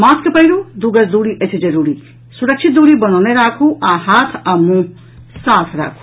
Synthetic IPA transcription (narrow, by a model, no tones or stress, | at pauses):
maskɐpɐjɾud̪uɡɐsd̪uɽiʔesʰid͡zɐɾuɾi | suɾɐkt͡ʃʰit̪̚d̪uɽibʌnawneɾaːkʰuʔãɦat̪ʰɐmũ | sat̪ʰɾa̰ːkʰu̥